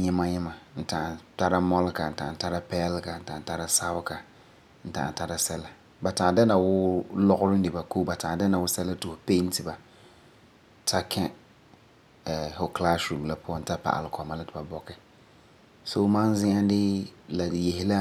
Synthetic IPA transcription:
ɲɪ˦ma˦ɲɪ˦ma˨n̩˦tã˨a˨ta˦ɾa˦mɔ˦lɪ˦ka˨n̩˨ta˨ta˦ɾa˦pɛː˦lɪ˦ka˨n̩˨ta˨ta˦ɾa˦sa˦bka˨ | n̩˦ta̰˨ʔa̰˨ta˦ɾa˦sɛ˦la˦ | ba˨ta˨da˦na˨wʊ˦lɔ˦ɣʊ˦ɾɪ˦ndɪ˨ba˨koː˦ba˨taː˨da˦na˨wʊ˦sɛ˦la˦tɪ˨hʊ˨pe˦n˦tɪ˨ba˨ | tʰa˦kʰɛ˦ | ɛ˨ho˨kla˦sɾu˨m˨la˦pʊ˦ɔ˦n̩˦ta˦pa̰˨ʔa̰˨lɪ˨kɔ˨ma˦la˦tɪ˨ba˨bɔ˨kɛ˨ | so˦mã˦n˦zɪ̃˦ŋa˦dɪ˦la˨dje˨hɪ˦la˦

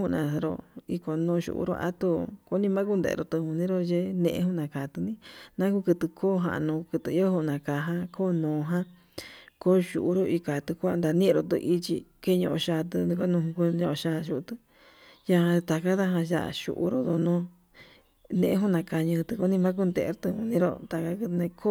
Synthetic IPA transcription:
hu˦˧nã̰˨ɾo̰˧˨i˧ko˧˨nõː˧ʃṵ˧˨ʔṵ˧ɾo̰˧ʔa̰˦t̪u˧ko˧˦nĩ˦˧mã˦ku˦nd̪ḛ˧˨ḛ˧ɾo˧˨t̪ɨ˧hũ˧nĩ˦ɾo˧ʒe˦nḛ̃˧ʔḛ̃˧hũ˦nã˨ka˨t̪ɨ˧nĩ˦nã˦ku˦kɨ˧t̪ɨ˧kʰoː˦ɦã̰˧˨˧nõː˧kɨ˧t̪ɨ˧i˦o˦hu˧˨nã˨ka˨˧ɦã˦koː˦nõː˨ɦã˦ | ko˦ʃu˧˨ʔu˧ɾo˧ʔi˧ka˨t̪ɨ˧kʷa˦˧nd̪a˧nĩ˦˧ɾo˧t̪ɨ̰˧ʔi˧t͡ʃḭ˧ke˦ɲõ˧ʔo̰˧ʃa˧t̪̬ɨ˧ko˦nũ˧hũ˧ku˧ɲõ˧ʔo˧ʃaː˧ʃu˧t̪ɨ˧ | ja˧hã˧t̪a˨ka˦ða˦ɦã˧ʒa̰˧˨ʃṵ˧ʔṵ˧ɾo˧d̪o˧nõ˧ | nẽ˧ʔe˧ɦu˦nã˧ka˧˨ɲɨ̃˧t̪ɨ˧ko˧˦nĩ˧mã˦k̬u˦˧nd̪ḛ˧ɾo˧t̪ɨ˧hũ˧˨nĩ˦ɾo̰˧t̪a˨ka˦kɨ˧nẽ˧kʰo˦

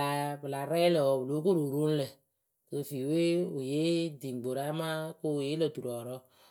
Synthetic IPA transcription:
a˨bɨ˨la˨ɾɛ˦lə˨ɔ˨bu˨lo˦ko˦ɾo˨ɾo˦n˦lə˨ | kə˨fi˨we˦ʊ˨je˦di˨ŋ˨ɡ͡bo˨ɾa˦ma˦ko˦˨je˦lə˨tu˨ɾɔ˨ɾɔ˦

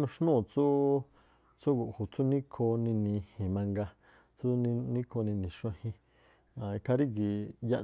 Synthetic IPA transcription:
nũ˧ʃnũ˦˨t͡su˦ | t͡su˦ɡu˨ʔhu˨t͡su˦nĩ˦kʰo˧nĩ˧nĩ˧hĩ˨mã˧ŋɡa˧ | t͡sũ˦˧nĩ˦kʰo˧nĩ˧nĩ˨ʃũ˧ã˧hĩ˧ | ã˨i˧kʰa˧ɾi˦ɡi˨ja˧ʔ

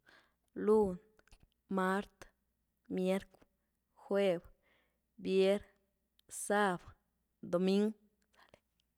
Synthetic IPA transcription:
lu˦n | ma˦ɾt̪ | mje˦ɾk | xwe˦˧b | bje˦ɾ | sa˦b | d̪o˨mi˦ŋɡ | sḁ˨le˨

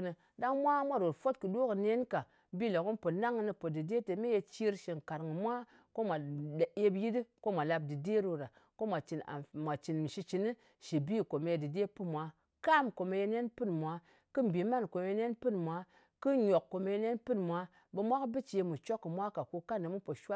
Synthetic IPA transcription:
nɨ˧ | da˦ŋmʷa˦mʷa˦ɾo˨tfo˦tkɨ˨do˦kɨ˨ne˦nka˨ | bi˦lo˨kɨ˦npo˨na˦ŋɨ˦nɨ˧po˨dɨ˨de˦te˨me˦je˧t͡ʃi˦ɾʃi˨ŋ˨ka˨ɾŋɨ˨mʷa˦ | ko˦mʷa˨e˦bji˦di˦ko˦mʷa˨la˧b̚dɨ˨de˦ɾo˧ɾa˨ | ko˦mʷa˨t͡ʃi˨na̰˨mʷa˨t͡ʃi˨nm˨ʃi˧t͡ʃi˨ni˦ | ʃi˨bi˦˨ko˨me˨˧je˧dɨ˨de˦pɨ˦mʷa˨˦ | ka˦˨mko˨me˧je˧ne˦npɨ˦nmʷa˨˦ | kɨ˦m˨bi˨˦ma˦nko˨m˨˦ne˦npɨ˦nmʷa˨˦ | kɨ˦ɲo˨kːo˨me˧je˧˦ne˦npɨ˦nmʷa˨˦ | be˧mʷa˦kbɨ˦t͡ʃi˨e˧mu˨t͡ʃo˦kːɨ˨mʷa˦ka˨ku˧ka˦nːɨ˨mu˦po˨ʃʷa˦

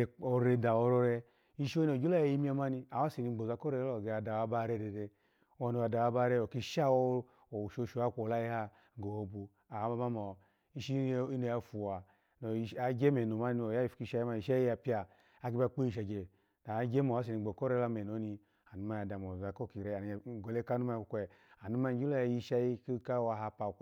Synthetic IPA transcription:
o˧ɾe˧da˨o˧ɾɔ˧ɾɛ˧ | i˦˧ʃo˦i˦no˨d͡ʒo˦la˦ja˧ji˧˦mi˦a˧ma˧ni˧a˨wa˦se˨ni˧˦ɡ͡bo˨za˧˦kɔ˦ɾɛ˧˦lo˦˨ɡe˧a˧˨da˨wa˧ba˦ɾɛ˧˦dɛ˨dɛ˧˦ | a˧ni˧a˨da˨wa˧˦ba˧˦ɾɛ˧˦o˨ki˧ʃa˦o˧ | o˨ʃo˧˨ʃo˧˦a˦˨kʷo˨la˦i˦ha˧˨ | ɡo˨o˧bu˧ | a˨˦ba˧ma˦mɔ˨ | i˦ʃi˦i˦no˨˧ja˧fu˨wa˨ | no˨a˨ɡe˦me˨no˨ma˦ni˧˦o˨ja˦i˦fki˧˦ʃa˦i˦ma˧i˨ʃa˦i˦a˧pi˦aː˨˦ | k̬i˦ba˧˦k͡pe˦i˦˨ʃa˨ɡe˨ | na˨˦ɡe˦mo˨a˦s̬i˨ni˧˨ɡ͡bo˨ko˦ɾe˦la˧me˨n˨o˨˦ni˧ | a˨nu˨˦ma˦ja˨da˨mo˨a˨ko˦˨ki˨ɾe˨n˨ɡo˨le˦ka˦u˦ma˦˧˨kʷe˨a˨nu˦ma˦d͡ʒi˦o˦ja˧˨ji˧ʃa˦ji˦ki˦ka˦a˧ɦa˧pa˨

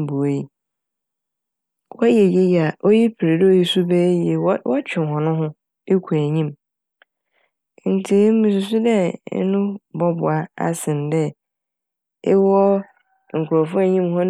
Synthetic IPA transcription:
bu˨e˨i˦ | wɔ˦je˨je˦ja˨ʔo˦ji˦pʰɪ˨ɾe˨dɪ˦o˨ji˦su˦bɛː˦je˨˦wɔ˦t͡ɕᶣɪ˨ɦɔ̃˨nʊ̃˦ɦʊ̃˦ | e˦kʰu˨æ˨ɲĩ˦m˦ | n̩˨tʰɪ˨˦m̩˦mĩ˨s̬ʊ˨sʊ˦dɛ̰˦nʊ̃˦bɔ˦bʊ˨a˨a̰˦sɪ̃˨n˨dɛ˦ | ɪ˦wɔ˦ | ŋ̩˨kʰʷʊ˨ɾɔ˨fʊ˦æ˨ɲĩ˦mhɔ̃˦n

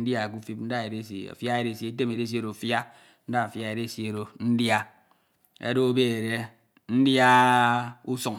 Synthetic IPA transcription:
dja˦˨ku˦fi˦p̚n̩˦da˦e˨ɾe˦si˨a̰˨fja˦e˨ɾe˦˨sie˨˦t̬e˦me˨ɾe˦s̬i˦e˦˨ɾo˨fja˦ | n̩˦da˦a˨fja˦e˨ɾe˦˨sje˨ɾo˨n̩˦dja˦ | ḛ˦do˦be˦e˨ɾe˦ | n̩˦dja˦ | u˦su˦˨ŋ

